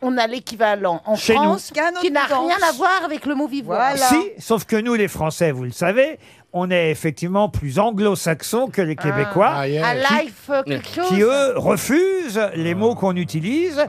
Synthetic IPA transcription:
ɔ̃nalekʲivalɑ̃ʔɑ̃fʃensinaʁjɛ̃navwaʁavɛkləmovivsisofkənulefχɑ̃sɛvuləsave | ɔ̃nɛefɛk̚t̪ivmɑ̃plyzɑ̃ɡlosaksɔ̃kəlekʲebekwaalajfkɛlkə̥ʃokiøʁəfyzlemokɔ̃nyt̪iliːz

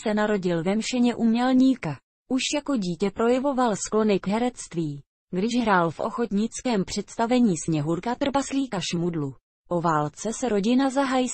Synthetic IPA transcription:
sɛnaɾo̞ɟɪlvɛmʃɛɲɛʔumɲɛlɲiːka | ʔuʃjako̞ɟiːcɛpɾo̞jɛvo̞valsklo̞nɪkɦɛɾɛt͡st̪viː | ɡdɪʒɦɾaːlfʔo̞̰xo̞t̪ɲɪt͡skɛːmpr̝̥ɛt̪st̪avɛɲiːsɲɛɦuɾkat̪r̩basliːkaʃmudlu | ʔo̞vaːlt͡sɛsɛɾo̞ɟɪnazaɦaj

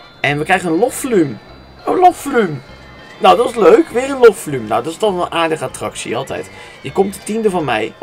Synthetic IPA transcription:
ʔɛnʋəkrɛjχənənlɔfflym | əlofolym | nowdɑtɪsløɥkʋɪːrənlɔfflymna̰wdɑɪstɔnˠənʔaːɹdəχəatrɑksḭɑlˠtɛ̰jt | jəkɔmtətindəvɑnmɛ̰j

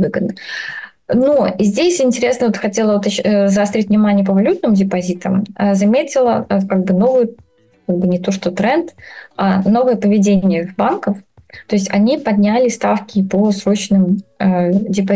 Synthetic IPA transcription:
vɨɡəd̪̚nə | noizʲdʲesʲɪnʲtʲɪɾʲe̞snəvot̪xɐtʲelˠəʊt̪ɕzst̪ɾʲitʲvnʲɪmanʲɪjəpəvɐlʲut̪̚nɨmdʲɪpɐzʲit̪əməzɐmʲetʲɪlˠəkaɡ̚bɨno̞vʊjʊ | kaɡ̚bɨnʲɪt̪o̞ʂt̪ot̪ɾɛnt̪ano̞vɨjəpəvʲɪdʲenʲɪjəbankəft̪o̞ɪsʲtʲɐnʲipɐd̪ʲnʲælʲɪst̪afkʲɪposɾo̞t͡ɕnɨmədʲɪpɐ

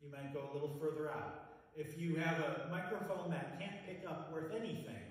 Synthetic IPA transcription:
jɨmaɪt̚ɡ̥oʊəlɪɾl̩ˠfɜ˞ðə˞aʊt̚ | ɪfjɨːvəmaɪkɹoʊfõʊ̃nðɨt̚kʰæ̃npʰɪkʌpwɜ˞θɛniθɪ̰̃ŋ

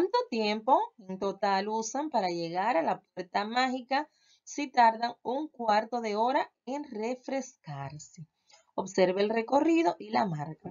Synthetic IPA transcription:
kwant̪ot̪je̞mpo̞ent̪o̞t̪alusampaɾaʝe̞ɣaɾalapwe̞ɾt̪amahika | sit̪aɾðaŋuŋkwaɾt̪o̞ðe̞o̞ɾa | eŋre̞fɾe̞skaɾse | o̞βse̞ɾβeːlre̞ko̞riðo̞ʔilamaɾka

